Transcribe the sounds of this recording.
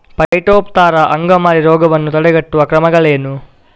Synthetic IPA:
pɐjʈoːpt̪aːɾɐʔɐŋɡɐmaːɾiɾɔːɡɐʋɐnːut̪ɐɽɛɡɐʈːuʋɐkɾɐmɐɡɐɭeːnu

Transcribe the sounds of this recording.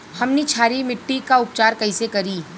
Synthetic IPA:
hɐmnet͡ʃʰaːɾimɪʈːikaʊpt͡ʃaːɾkɐisekɐɾiː

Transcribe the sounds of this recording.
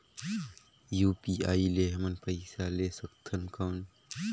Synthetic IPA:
juːpiːaːileːɦmənpəɪsaleːsəkt̪ʰənkaːn

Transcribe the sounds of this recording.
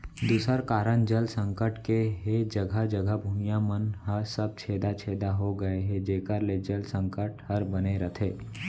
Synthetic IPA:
d̪uːsəɾkaːɾəɳd͡ʒəlsə̃ŋkəʈkeɦed͡ʒəɡʱəd͡ʒəɡʱəbʱuːmijamənɦəɾsəb̚t͡ʃʰeːd̪at͡ʃʰeːd̪aɦoɡɐeɦɛd͡ʒeːkəɾled͡ʒəlsə̃ŋkəʈhəɾbəneɾət̪ʰeː

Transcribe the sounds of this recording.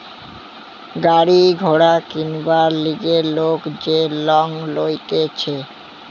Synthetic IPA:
ɡaɾiɡʱoɽakinbaɾliɡeɾlokd͡ʑelɔŋlojt̪et͡ɕʰe

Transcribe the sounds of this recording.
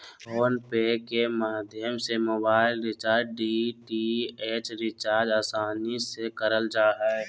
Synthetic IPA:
oːnpeːɖkemaːd̪ʱjəmsemoːbaːɪlɾɪt͡ʃaːɾɖiʈieːt͡ʃɾɪt͡ʃaːɾd͡ʒaːsaːnisekəɾəld͡ʒaːɦɛɛ

